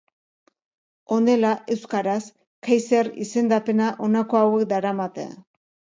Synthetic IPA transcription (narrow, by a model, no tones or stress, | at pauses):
o̞nd̪e̞laʔe̞wskaɾas | kajseɾḭse̞nd̪ape̞naʔo̞nako̞awe̞k̚d̪aɾamat̪ḛa̰